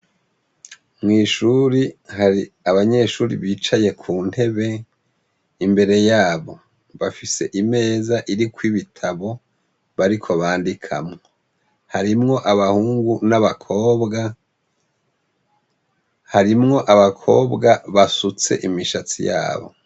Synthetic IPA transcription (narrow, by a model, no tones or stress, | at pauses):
mŋiːʃuɾihai | aβaɲe̞ʃuːɾḭβiːt͡ʃaje̞kʰuːn̥he̞βe̞ | imbe̞ɾe̞jaːβo̞ | βafise̞ʔime̞ːzaʔiɾikwiβitʰaβo̞ | βaɾikʰo̞βaːndikʰa̰mŋoo | haɾimŋo̞ʔaβahuːŋɡunaβakʰoːbɡa | haɾimŋo̞ʔaβakʰo̞ːbɡaβasut͡se̞̰ʔimiʃat͡sḭja̰ːβo̞̰